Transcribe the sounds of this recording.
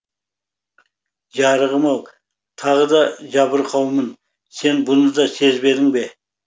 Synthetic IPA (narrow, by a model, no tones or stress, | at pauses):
ʒɑɾəʁəmɑw | t̪ʰɑʁəd̪ɑʒɑbəɾqʰɑwmən | se̞nbʊnəd̪ɑse̞zbe̞d̪ɪŋbe̞